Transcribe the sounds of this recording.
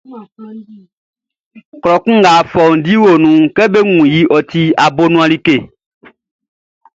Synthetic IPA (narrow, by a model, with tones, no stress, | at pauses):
klɔ˨kũ˦ɡa˨fɔ˨ŋ˨di˦wo˨nũ˨ke˦be˦ŋũ˨ji˨˦ʔɔ˨t̪i˦a˨bo˦nũ˦a˨li˦ke˨